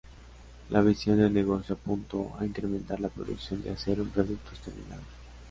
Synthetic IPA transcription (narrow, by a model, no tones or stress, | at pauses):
lʔaβ̞isjo̞nd̪elneɣo̞sjoapunt̪oa̰iŋkɾement̪aɾlapɾo̰ðṵksjo̞nd̪easeɾumpɾoðuk̚t̪ost̪eɾmḭnaβo